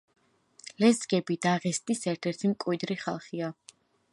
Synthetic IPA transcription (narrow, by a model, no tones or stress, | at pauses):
lɛzɡɛbid̪aʁɛst̪ʼisɛɾt̪ʰɛɾt̪ʰimkʼwid̪ɾiχalˠχia